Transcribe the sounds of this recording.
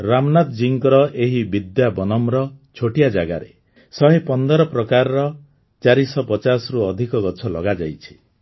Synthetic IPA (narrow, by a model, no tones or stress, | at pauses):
ɾamnat̪d͡ʒiŋkɔɾɔʔeɦibid̪jabɔnɔmɾɔt͡ʃʰoʈijad͡ʒaɡa̰ɾḛ | sɔɦipɔnd̪ɔɾɔpɾɔkaɾɔɾɔ | t͡ʃaɾisɔpɔt͡ʃasɔɾuɔd̪ʱikɔɡɔt͡ʃʰɔlɔɡad͡ʒa̰jt͡ʃʰi̥